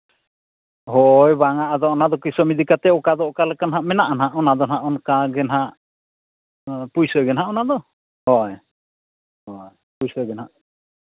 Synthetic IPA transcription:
ɦojbaŋaʔad̪ɔɔnad̪ɔkisɔmid̪ikat̪ɛɔkad̪ɔʔkalɛkanɦaʔmɛnaʔanɦaʔɔnad̪ɔnɦaʔɔnkaɡɛnɦaʔ | pujsɔɡɛnɦaʔɔnad̪ɔ | hɔj | hɔj | pujsɔɡɛnɦaʔ

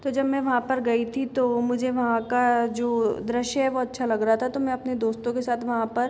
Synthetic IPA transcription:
t̪od͡ʒɐbmɛ̃ʋɐɦãpɐɾɡɐit̪ʰit̪omʊd͡ʒʱeʋɐɦãkad͡ʒoːd̪ɾɐʃjɦɛʋoɐtːʃʰalɐɡɾɐɦat̪ʰat̪omɛ̃ɐpned̪oːst̪õkesaːt̪ʰʋɐɦãpɐɾ

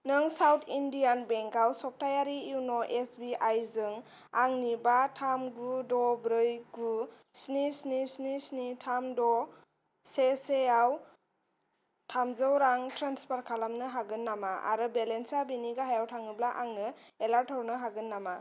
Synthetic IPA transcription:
nɯŋsawtʰindijanbeŋkawsɔp̚tajaɾiuwnɔʔesbiajzɯŋ | aŋnibatʰamɡudɔbɾɯjɡu | snisnisnisnitʰamdɔ | sesejaw | tʰamzɯwɾaŋtɾanspaɾkʰalamnɯɦaɡɯnːamaʔa̰ɾɯbelensabiniɡaɦajawtʰaŋniblaʔaŋnɯelaɾtʰɔɾnɯɦaɡɯnːama

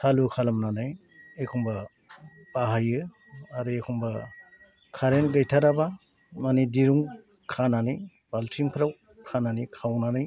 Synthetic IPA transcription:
tʰalukʰalamnanaj | ekʰuŋba | baɦajɯ | aɾɯekʰuŋba | kʰaɾenɡajtʰaɾaba | manidiɾuŋ | kʰananij | b̥altʰiŋpʰɾaw | kʰananikʰawnanɯj

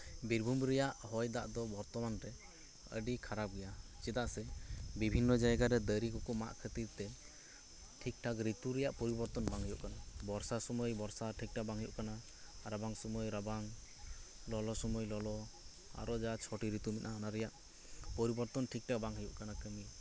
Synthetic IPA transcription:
biɾbʱumɾɛjaʔhɔjd̪aʔd̪ɔbɔɾt̪ɔmanɾɛ | ə̰ɖikʰaɾap̚ɡɛjat͡ʃɛd̪aʔsɛbibʱinːɔd͡ʒajɡaɾɛd̪əɾikɔkɔma̰ʔkʰət̪iɾt̪ɛ | ʈʰik̚ʈʰakɾit̪uɾɛjaʔpɔɾibɔɾt̪ɔnbaŋɦəjṵʔkanabɔɾsasɔmɔjbɔɾsaʈʰik̚ʈʰabaŋɦəjṵʔkana | ɾabaŋsɔmɔjɾabaŋ | lɔlɔsɔmɔjlɔlɔ | a̰ɾɔd͡ʒat͡ʃʰɔʈiɾit̪umit̪ʔnanaɾɛjaʔ | pɔɾibɔɾt̪ɔnʈʰik̚ʈʰak̚baŋɦəjuʔkanakəmi

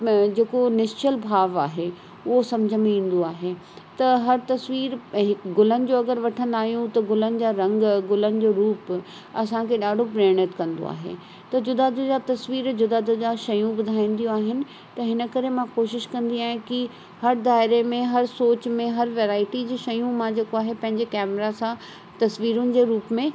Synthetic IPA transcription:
d͡ʑeːkonɪst͡ɕəlbʱaːʋaːɦe | ʊɦosɐmd͡ʑʱəmẽĩːn̆d̪oaːɦe | t̪ɐɦɐɾt̪ɐsʋiːɾɦɪkɡʊlənɪ̆d͡ʑoːɐɡəɾʋɐʈʰə̃nd̪aːɦijũt̪ɐɡʊlənɪ̆d͡ʑaːɾɐ̃ŋɡɡʊlənɪ̆d͡ʑoːɾuːp | ɐsãkʰeɗaːɖʱopɾeːɽ̃ət̪kɐ̃nd̪o̰a̰ːɦḛː | t̪ɐd͡ʑʊd̪aːd̪ʊd͡ʑat̪ɐsʋiːɾd͡ʑʊd̪aːd̪ɪɡaʃɐjũbʊd̪ʱaːĩːn̆d̪ijũaːɦɪnɪ̆ | t̪ɐɦɪnə̆kɐɾemãkoːʃɪʃkɐ̃nd̪iaːɦɪ̃ki | hɐɾd̪aːɪɾemẽɦɐɾsoːt͡ɕmẽɦɐɾʋeːɾaːɪʈid͡ʑiːʃɐjũmãd͡ʑeːkoaːɦepɐ̃ɦɪ̃ɲd͡ʑekɛːmɾasã | t̪ɐsʋiːɾʊnɪ̆d͡ʑeːɾuːpmẽ

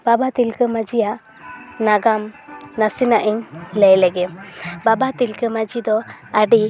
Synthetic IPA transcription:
babat̪ilkəmad͡ʒija | naɡamnasinaʔiɲlɛjlɛɡɛmbabat̪ilkəmad͡ʒid̪ɔaɖi

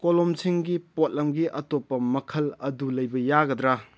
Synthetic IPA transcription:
kolomsʰiŋɡipot̚lɐmɡiʔɐtopːɐmɐkʰɐlɐdulɐjbɐjaɡɐdɾa

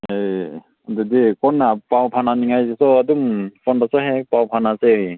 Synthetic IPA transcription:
ej | dɔdikɔnːapawpʰananiŋajzsɔadumpʰɔndasɔɦepawpʰanasej

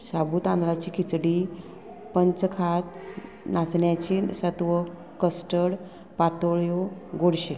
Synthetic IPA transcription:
sabuːt̪ãnd̪ɾat͡ɕiːkʰit͡sɽiː | pəɲt͡skʰat̪ | nat͡sɳjat͡ɕisət̪ʋə | kəsʈəɽ | pat̪oɭjoɡoɽɕe

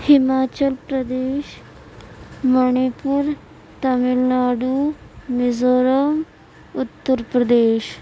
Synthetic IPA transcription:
hɪmaːt͡ʃəlpɾəd̪eːʃ | məɳipuɾ | t̪ɐmɪlnaːɖumɪzoːɾəm | ʊt̪ːəɾpɾɐd̪eːʃ

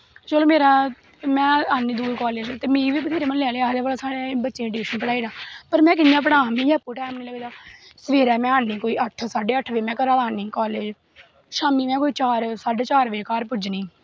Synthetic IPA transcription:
t͡ʃəloːmeːɾaː | mɛ̃ːaːnːiːd̪uːikɔːleːd͡ʒt̪eːmĩːʋiːbt̪ʰeːɾeːmənlɛːleːaːd̪eːbaːlaːsaːɽebətːʃẽːʈiiːʃənpəɽaːiːnãːpəɾmɛ̃ːk̬ɪnɪjãːp̬əɽãːmĩːapːuːʈɛːmnĩːləɡːd̪aːsʋeːɾɛːmɛ̃ːaːnːiːkoːiːʔəʈʰsaːɖeːəʈʰʋeːmɛ̃ːkəɾaːd̪aːnĩːkɔːleːd͡ʒ | ʃaːmiːmɛ̃ːkoːiːt͡ʃaːɾsaːɖt͡ʃaːɾʋeːkaːɾp̬ʊd͡ʒnĩː

